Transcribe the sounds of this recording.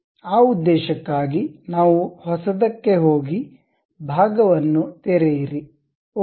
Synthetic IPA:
aːud̪ːɛːʃɐkːaːɡinaːʋuhɔsɐd̪ɐkːe̞ɦoːɡi | bʱaːɡɐʋɐnːut̪ɛɾejiɾi

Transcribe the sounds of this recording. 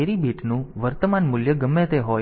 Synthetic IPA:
eɾibʱiʈnũʋəɾt̪əmanmʊljəɡəmːẽt̪eɦo

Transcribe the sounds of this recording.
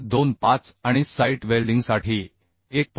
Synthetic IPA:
d̪onpat͡saɽ̃isajʈʋelɖiŋɡsaʈʰiː | ek̚p

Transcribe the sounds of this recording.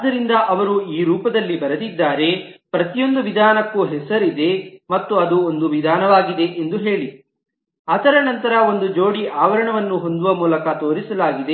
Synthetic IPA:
d̪ːɐɾind̪ɐʔɐʋɐɾuiːɾuːpɐd̪ɐlːibɐɾɐd̪id̪ːaːɾe̞pɾɐt̪ijo̞nd̪uʋid̪ʱaːnɐkːuɦɛsɐɾid̪e̞mɐt̪ːuɐd̪uond̪uʋid̪ʱaːnɐʋaːɡid̪e̞ʔend̪uɦe̞ːɭi | ɐt̪ɐɾɐnɐnt̪ɐɾɐo̞nd̪ud͡ʒo̞ːɽiʔaːʋɐɾɐɳɐʋɐnːuɦo̞nd̪uʋɐmuːlɐkɐt̪o̞ːɾisɐlaːɡid̪e̞

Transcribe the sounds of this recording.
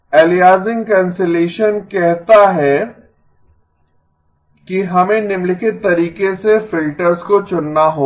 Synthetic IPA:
ɛːlijaːzɪ̃ŋɡkɛ̃ːnseleːʃənkɛɦt̪aɦɛ | kiɦɐmẽnɪmlɪkɪt̪ːɐɾiːkesefɪlʈəɾzkot͡ʃʊnːaɦoː

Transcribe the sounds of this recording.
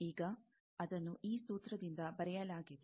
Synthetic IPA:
iːɡɐ | ɐd̪ɐnːuʔiːsuːt̪ɾɐd̪ind̪ɐbɐɾɛjɐlaːɡid̪

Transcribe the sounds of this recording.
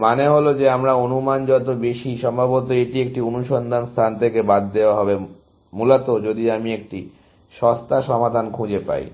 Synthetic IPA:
maneɦolod͡ʑeamɾaonumand͡ʑɔt̪obeʃiʃɔmbʱabot̪̬oeʈiek̚ʈionuʃɔnd̪ʱanst̪ʰant̪ʰekebad̪ːeoaɦɔbe | mulat̪od͡ʑod̪iamiek̚ʈi | ʃɔst̪aʃɔmad̪ʱankʰũd͡ʑepa̰j

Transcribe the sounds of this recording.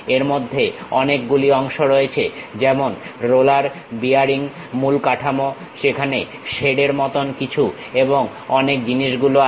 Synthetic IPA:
eɾmod̪ʱːeɔnekɡuliɔŋʃoɾoet͡ɕʰed͡ʑɛmonɾolaɾ | biaɾiŋ | mulkaʈʰamo | ʃekʰane | ʃeɽeɾmɔt̪onkit͡ɕʰu | eboŋ | ɔnek̚d͡ʑiniʃɡuloa

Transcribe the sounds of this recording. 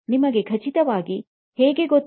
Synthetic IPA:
nimɐɡe̞kʰɐt͡ʃit̪ɐʋaːɡi | heːɡe̞ɡot̪ː

